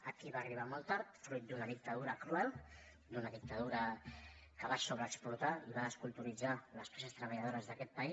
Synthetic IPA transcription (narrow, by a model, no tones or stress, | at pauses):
əkiβaːriβ̞amolˠt̪aɾt̪fɾujt̪̚d̪unəðik̚t̪əðuɾəkɾuɛlˠ | d̪unəðik̚t̪əðuɾə | kəβasoβɾəːksplut̪aiβaːskulˠt̪uɾid͡zaləspɛsəst̪ɾəβəʎað̞oɾəzðəkɛt̪̚pəi